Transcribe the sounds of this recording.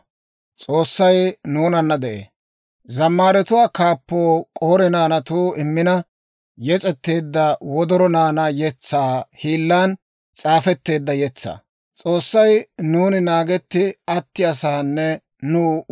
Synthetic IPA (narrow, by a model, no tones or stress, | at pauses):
t͡sʼo̞ːsːɐjnuːnɐnːɐd̪ɛʔḛː | zɐmːaːɾɛt̪ʊwaːkaːpːoːkʼoːɾɛnaːnɐt̪uːɪmːɪnɐ | jɛt͡sʼɛt̪ːe̞ːd̪ːɐwɔd̪ɔɾɔnaːnɐjɛt͡sːaːhiːlːaːn | t͡sʼaːfɛt̪ːe̞ːd̪ːɐjɛt͡sːa̰ː | t͡sʼoːsːɐjnuːnɪnaːɡɛt̪ːɪɐt̪ːɪɐsaːnːɛ | nuː